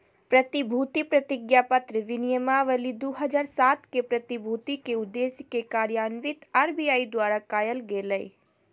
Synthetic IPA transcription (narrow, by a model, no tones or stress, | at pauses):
pɾət̪ibʱut̪ipɾɐt̪ɪɡjapət̪ɾəʋɪnijəmaʋəlid̪uɦəd͡ʒaːɾsaːt̪kepɾɐt̪ibʱut̪ikeʊd̪ːeskekaːɾjaːnʋɪt̪aːɾbijaːid̪waːɾakaːjəlɡeːləj